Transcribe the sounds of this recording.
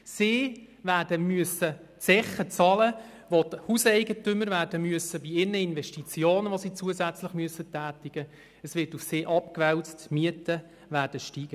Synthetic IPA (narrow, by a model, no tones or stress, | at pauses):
siː | væːɾdəmyəsətt͡sɛχət͡sɑlə | ʋothusɛɪɡətʏmːəɾvæːɾdəmyəsəbiɪnːəinʋɛʃtit͡sjoːnəʋosit͡suəzæt͡slɪχmyəsːətæːtɪɡ̥ə | əsʋɪtufsɪːʔɑpkʋɛlt͡stmiətə | ʋæːrd̥əʃtiːɡ̥ə